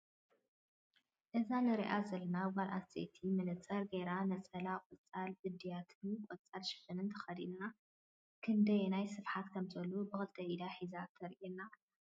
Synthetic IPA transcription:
ʔɨzanɨɾiʔazɐlɐnawalʔa̰ḛt̪ʰimɨnɨt͡sʼɐɾɡeɾanɐt͡sʼɐlakʼɨt͡sʼalbɨd̪ːijat̪ʰɨnkʼɔt͡sʼalʃɪ̥fɐnɨnt̪ʰɐ̥xɐd̪inna | kʰɨnd̪ɐjenajsɨfħat̪kʰɐmzɐlːubɨxɨlt̪ʰɐʔid̪aħizat̪ʰɐɾʔina

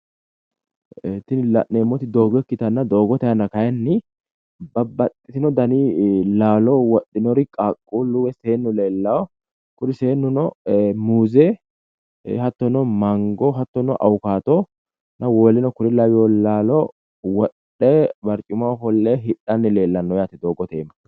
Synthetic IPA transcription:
ɛt̪ːɪnɪlɐ̰ʔneːmːɔt̪ɪd̪oːɡɔkːɪt̪ɐnːɐd̪oːɡɔt̪ɐjɐnːɐkɐjɛnːɪ | bɐbɐt̪ʼːɪt̪ɪnɔd̪ɐnilaːlɔwɔɗːɪnɔɾɪkʼaːkʼːuːluːwɛse̞ːnːɔle̞ːlːɐwɔ | kʊɾɪseːnːʊnɔmuːzɛ̰ | hɐt̪ːɔnɔmɐŋɡɔɦɐt̪ːɔnːɔʔɐwkaːt̪ɔ | nʔɐwoːlɪnɔkʊɾɪlɐwɪjɔlaːlɔ | wɔɗ | ɛbɐɾt͡ʃʼʊmɐɦɔlːeɦɪɗːɐnːɪle̞ːlːɐnːɔjaːt̪ɪd̪oːɡɔt̪eːmɐ

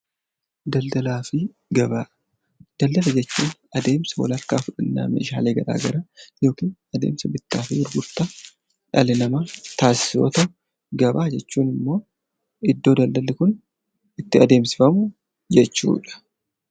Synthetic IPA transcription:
d̪ɐld̪ɐlaːfɪ | ɡɐbaː | d̪̥ɐld̪ɐlɐd͡ʒɛt͡ʃːuːnɐd̪e̞ːmsɐwɐ̰lɐkːaːfʊᶑɐnːa̰ːmḛːʃa̰ːle̞ːɡɐɾa̰ːɡɐɾɐjo̞ːkiːnɐd̪e̞̰ːmsɐbɪt̪ːaːfɪbʊɾɡʊɾt̪ɐ | ᶑɐlɪnɐmat̪aːsɪ̥soːt̪ɐ | ɡɐbaːd͡ʒɛt͡ʃːuːnɪmːo̞ː | ɪd̪ːo̞ːd̪ɐld̪ɐlɪkʊn | ɪt̪ːɪɐd̪e̞ːmsɪfɐmʊ | d͡ʒɛt͡ʃːṵːᶑɐ̥

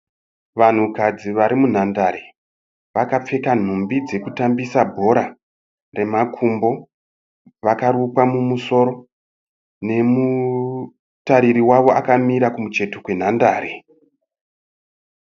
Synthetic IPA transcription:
ʋan̤ukad͡ziʋaɾimun̤andaɾe | ʋakap͡fe̞kan̤umbid͡ze̞kutambisabʱo̞ɾa | re̞makʰumbo̞ | ʋakaɾupwamumuso̞ːɾo̞ | ne̞mu | taɾiɾiwaʋo̞akamiɾakumut͡ʃe̞tokwe̞n̤andaːɾe

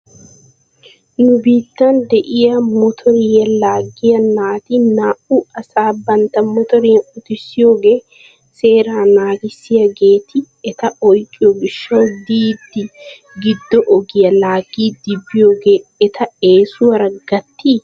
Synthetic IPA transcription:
nʊbiːt̪ːɐnd̪ɛʔɪjɐmɔt̪ʰɔɾɪjɐlaːɡːɪjɐnaːt̪ɪnaːʔʊɐsaːbɐnt̪ɐmɔt̪ɔɾɪjɐʊt̪ɪsːɪjo̞ːɡe̞ː | se̞ːɾaːnaːɡɪsːɪjɐɡe̞ːt̪ʰɪ | ɛt̪ɐʔɔjkʼːɪjɔɡɪʃːɐwd̪iːd̪ːɪ | ɡɪd̪ːɔʔɔɡɪjɐlaːɡiːd̪ɪbːɪjo̞ːɡe̞ːɛt̪ʰɐeːsʊwɐɾɐɡɐt̪ʰːiː

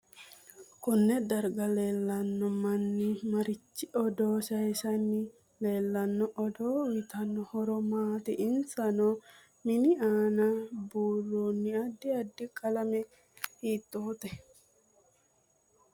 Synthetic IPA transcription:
kʊnːɛd̪ɐɾɡɐle̞ːlːɐnːɔmɐnːɪmɐɾɪt͡ʃːɪɔd̪oːʃɐjsɐnːɪ | le̞ːlːɐnːɔʔɔd̪oːwɪt̪ɐnːɔhɔɾɔmaːt̪ɪʔɪnsɐnɔ | mɪnɪaːnɐbuːlːoːnːɪɐd̪ːɪɐd̪ːɪkʼɐlɐmɛ | hiːt̪ʼːoːt̪ɛ

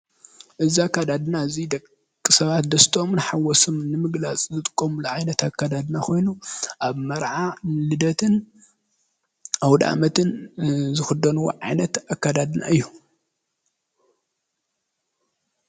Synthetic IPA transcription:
ʔɨziakːad̪ad̪ɨnazid̪ɐk | kʼːɨsɐβat̪d̪ɐst̪ʰomnħawɔsomnɨmɨɡlat͡sʼzɨt̪ʼɨkʼːomuluʕajnɐt̪akːad̪ad̪ɨnakʰo̞jnuʔaβmɐɾʕanlɨd̪ɐt̪ʰɨn | awd̪a̰mɐt̪ʰɨnzɨxɨd̪ɐnuw̰ʕajnɐt̪akːad̪ad̪ɨna̰ɨjːu

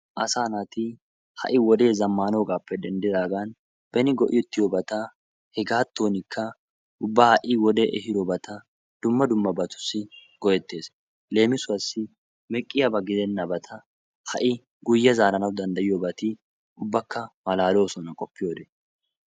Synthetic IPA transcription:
ʔɐsaːnɐt̪ɪ | hɐ̰ʔɪwɔd̪e̞ːzɐmːaːno̞ːɡaːpːɛd̪ɛnd̪ɪd̪aːɡan | b̥ɛnɪɡɔʔɪ̰jɔt̪ːɪjobɐt̪ɐ | hɛɡaːt̪ːo̞ːnɪkʰːɐ | ʊbːahɐʔɪwɔd̪eːʔɛhɪd̪obɐt̪ɐ | d̪̥ʊmːɐd̪ʊmːɐbɐt̪ʊ̥sːɪɡ̥ɔjɛt̪ːe̞ːs | le̞ːmɪsʊɐsːɪ | mɛkʼːɪjɐbɐɡɪd̪ɛnːɐbɐt̪ʰɐ | hɐ̰ʔɪ | ɡʊjːɐzaːɾɐnɐwd̪ɐnd̪ɐjɪjobɐt̪ɪ | ʊbːɐkːɐmɐlaːlo̞ːsɔnɐkʼɔpːɪjo̞ːd̪ɛ

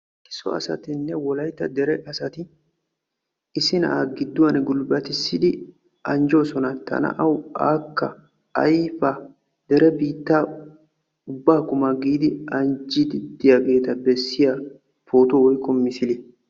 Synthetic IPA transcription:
kɪ̥sɔ̰ɐ̰sɐ̰t̪ɪnːɛwɔlɐjt̪ːɐd̪ɛɾɛʔɐsɐt̪ɪ | sɪnɐ̰ʔaɡɪd̪ːʊwɐnɡʊlbɐt̪ɪsːɪd̪ɪ | ɐnd͡ʒo̞ːsɔnɐt̪ʰɐ̰nɐ̰ʔɐwaːkːɐ̰ | ɐ̰jfɐ | d̪̥ɛɾɛbiːt̪ːaː | ʊbːaːkʊmaɡiːd̪ɪɐnd͡ʒɪd̪ɪd̪ɪjaɡe̞ːt̪ɐbɛsːɪja | fo̞ːt̪owɔjkːɔmːɪsɪlɪ

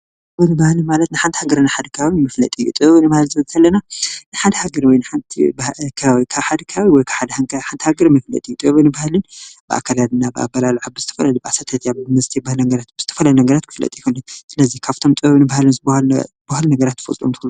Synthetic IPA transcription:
tʼ | ɨβɨnɨbahlɨnmalɐt̪nɨħant̪ʰhaɡɐɾɨnɨħad̪ɐkʰɐβawimɐflɐ̰t̪ʼijṵt̪ʼɨββɨnɨbahalzɨɐzt̪ɐlːɐnanɨħad̪ɐhaɡɐɾwɔjnɨħant̪ʰibkʰaβawikʰaβħad̪ɐkʰaβawiwɔjkʰaβħad̪ɐhankʰħant̪ʰihaɡɐɾmɐflɐ̰t̪ʼijut̪ʼɨββɨnɨbahlɨnbɨʔa̰kʰːalad̪ɨnabɨa̰bɐlaluʕabːɨzɨt̪ʰɐfɐlɐlubɨasɐt̪ʰɐt̪jaβɨmɨst̪ʰibahlnɐɡɐɾat̪̚bɨz̥ɨt̪ʰɐ̥fɐlɐlnɐɡɐɾat̪kʰɨ̥flɐ̰t̪ʼijkʰunlːunsɨlɐzikʰaβt̪ʰo̞mt̪ʼɨβɐβnɨbahalɨnzɨbhazbahalnɐɡɐɾat̪ːfo̰sʼo̰mt̪ʰɨhlu

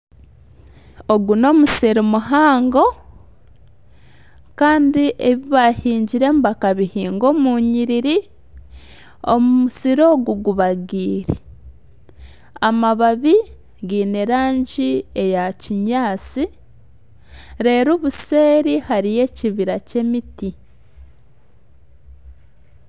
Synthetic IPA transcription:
oɡuno̞ːmuseɾimuɦaːŋɡo̞ | kaːndiʔeβiβahiːɲɟiɾe̞ːmbakaβihiːŋɡo̞muɲiɾiɾi | o̰mumusiɾo̞ːɡuɡuβaɡiːɾe | amaβaβi | ɡiːne̞ɾaːɲɟie̞jaciɲaːt͡si | ɾe̞ːɾuːβuse̞ːɾihaɾije̞ciβiɾace̞miti

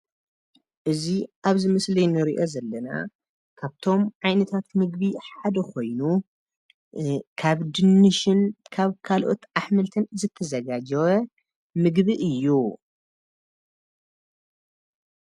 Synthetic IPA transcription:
ʔɨziʔaβzɨmɐslɐjnɨɾḭʔo̞zɐlːɐna̰ | kʰaβt̪ʰo̞mʕajnɐt̪ʰat̪mɨɡβiħad̪ɐkʰo̞jnu | kʰaβd̪ɨnːɨʃɪnkʰaβkʰalʔot̪ʔaħmɨlt̪ʰɨnzɨt̪ʰːɐzɐɡad͡ʒɐwɐ | mɨɡβiʔɨjːu

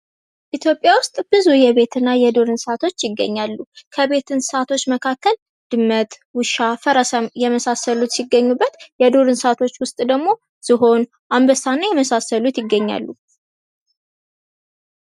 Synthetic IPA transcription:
ʔit̪ʰjo̞pʼjawʊst̪ʼb̥ɨzujɛβe̞t̪ʰɨnːajɛd̪o̞ɾɨnsat̪ʰo̞t͡ʃːjɪɡːə̰ɲːalːukʰəβe̞t̪ʰɨnsat̪ʰo̞t͡ʃːməkʰakːəl | d̪̥ɨmːət̪ | wʊʃafəɾasjɛməsasəlut̪siɡːəɲːubːət̪jɛd̪o̞ɾɨnsat̪ʰo̞t͡ʃːwʊst̪ʼd̪əɡmo̞ | siɦo̞n | ʔambəsanːajɛməsasəlut̪jɪɡːəɲːa̰lːu

